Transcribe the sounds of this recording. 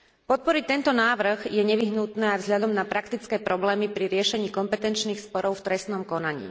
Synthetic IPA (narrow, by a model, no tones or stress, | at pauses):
pɔt̪̚pɔɾic̚t̪ɛnt̪ɔnaːʋɾ̩ɣjɛɲɛʋiɦnut̪nɛːajvzɦʎad̪ɔmnapɾakt̪it͡skɛːpɾɔblɛːmipɾiɾɪɛʃɛɲiːkɔmpɛt̪ɛnt͡ʃniːxspɔɾɔʊft̪ɾɛst̪nɔmkɔnaɲḭː